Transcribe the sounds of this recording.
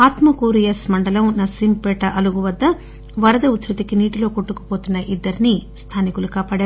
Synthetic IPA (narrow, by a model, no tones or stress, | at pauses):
aːt̪mɐkuːɾijɐsmɐɳɖɐlɐmnɐsimpeːʈɐʔɐluɡuʋɐd̪ːɐ | ʋɐɾɐd̪ɐut̪ɾit̪ikiniːʈilo̞ːkoʈːukɐ̥poːt̪unːɐʔid̪ːɐɾinist̪ʰaːnikulukaːpaːɽaːɾ